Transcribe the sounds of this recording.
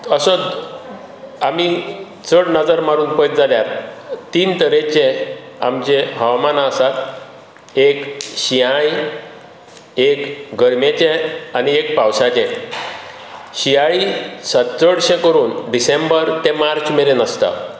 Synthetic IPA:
əsə | ami | t͡səɽnəd͡zəɾmaɾuːnpəjt̪̚d͡zaljaɾt̪iːnt̪əɾet͡ɕẽamt͡ɕeɦəʋamanaəsat̪ | ekɕiaj | ekɡəɾmet͡ɕẽaniekpawsat͡ɕẽ | ɕiaɭisat͡səɽɕẽkəɾuːnɖisembəɾt̪emaɾt͡ɕmeɾenəst̪a̰

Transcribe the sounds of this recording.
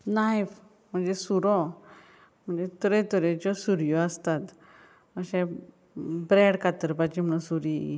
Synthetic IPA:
najf | m̤əɳd͡zesuɾɔ | m̤əɳd͡zet̪əɾet̪əɾet͡ɕɔsuɾjɔəst̪at̪ | məɕẽ | bɾɛɽkat̪əɾpat͡ɕim̤əɽ̃ũsuɾi

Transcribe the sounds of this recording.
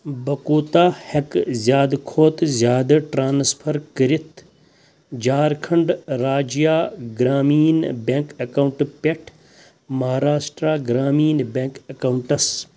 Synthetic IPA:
bɐkuːt̪aːhɐkzʲjaːd̪kʰoːt̪zʲjaːd̪ɐʈɾaːnspʰɐɾkəɾit̪ʰ | d͡ʒaːɾkʰɐɳɖɾaːd͡ʒijaːɡɾaːmiːnbeŋkɐkauɳʈpeʈʰ | mɐɦaːɾaːʃʈɾaːɡɾaːmiːnbẽŋkɐkauɳʈɐs

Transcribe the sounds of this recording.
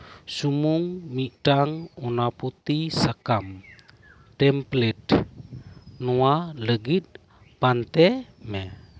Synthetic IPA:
sumuŋmiʈaŋunaput̪isakam | tɛmplɛt̪̚ | nualəɡit̪̚ | pant̪ɛmɛ

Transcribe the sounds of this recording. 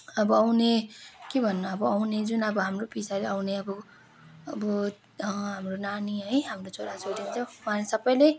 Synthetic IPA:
ʌbʌawnekebʱʌnːʌʌbʌawned͡zunʌbʌɦamropisaɾeawneʌbʌ | ʌbʌ | ʌɦamronaniɦʌjɦamrot͡soɾad͡zoɽint͡sʰʌwãlesʌbʌjle

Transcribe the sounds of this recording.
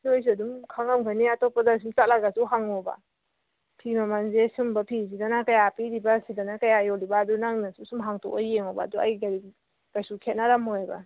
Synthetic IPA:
nojs̬iɐdumkʰaŋamɡʰaniatɔpːadas̬umt͡ʃatlaɡasuɦaŋɔba̰ | pʰimamanzesumbapʰis̬idanakajapiɾibasidanakajajɔlibaːdunaŋnasusumɦaŋtʰɔ̰ajeŋɔba̰ːdua̰jɡaɾi | ɡ̥ajsukʰet̚naɾamojba̰

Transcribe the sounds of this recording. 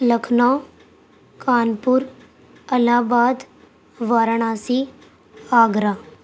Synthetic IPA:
ləkʰnaː | kaːnpʊɾ | əlaːbaːd̪ | ʋaːɾəɳaːsi | aːɡɾaː

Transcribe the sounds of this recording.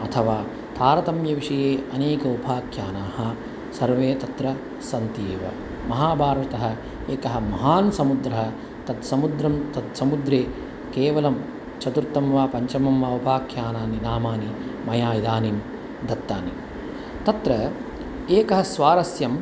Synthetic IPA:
ɐt̪ʰɐʋaː | t̪ʰaːɾɐt̪ɐmjɐʋiʂɐjeːɐneːkɐupʰaːkʰjaːnaːhɐ | sɐɾʋeːt̪ɐt̪ɾɐ | sɐnt̪ieːʋɐ̰ | mɐɦaːbʱaːɾʋɐt̪ɐɦɐ̆ | eːkɐɦɐmɐɦaːnsɐmud̪ɾɐɦɐ | t̪ɐd̪sɐmud̪ɾɐmt̪ɐd̪sɐmud̪ɾeː | keːʋɐlɐm | t͡ʃɐt̪uɾt̪ːɐmʋaːpɐɲt͡ʃɐmɐmʋaːupʰaːkʰjaːnaːninaːmaːnimɐjaːjid̪aːnim | d̪ɐt̪ːa̰ːnḭm | t̪ɐt̪ɾɐ | eːkɐɦɐsʋaːɾɐsjɐm

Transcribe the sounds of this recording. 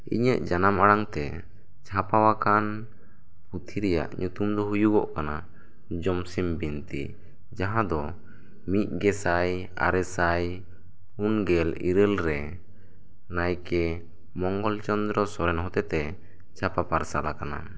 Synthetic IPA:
ḭɲəʔd͡ʒanamaɽaŋt̪ɛ | t͡ʃʰapawakan | put̪ʰiɾɛja̰ʔɲut̪umd̪ɔɦujuɡɔ̰ʔkana | d͡ʒɔmsimbint̪i | d͡ʒaɦãd̪ɔ | mit̪̚ˀɡɛsaj | a̰ɾɛsaj | pʰunɡɛlḭɾəlɾɛ | najkɛ | mɔŋɡɔlt͡ʃɔnd̪ɾɔsɔɾɛnɦɔt̪ɛt̪ɛ | d͡ʒʰapapaɾsalakana̰

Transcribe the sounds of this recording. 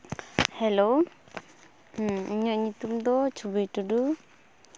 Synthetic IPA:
hɛlow | iɲɔʔɲit̪umd̪ɔt͡ʃubijʈudu

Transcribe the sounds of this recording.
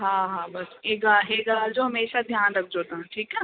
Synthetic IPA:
ɦãːɦãːbɐsɦeːɡaːɦeːɡaːd͡ʒoːɦɐmeːʃad̪ʱjaːnɾɐk̚ʰd͡ʒoːt̪aɛ̃ʈʰiːkɦɛː

